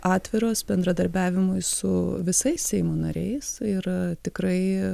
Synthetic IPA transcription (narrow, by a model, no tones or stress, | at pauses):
ɑːt̪ʲʋʲɪɾoːsbʲɛnd̪ɾɐd̪ɐɾʲbʲæːʋʲɪmʊɪsʊʋʲɪsɐɪssʲɛɪmuːnɐ̰ɾʲɛ̰ɪsɪɾt̪ʲɪkɾɐɪ